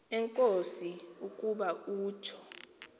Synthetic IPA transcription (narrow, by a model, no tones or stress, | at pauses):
ɛŋkʼosiukʼuɓauːt͡ʃʰɔ̥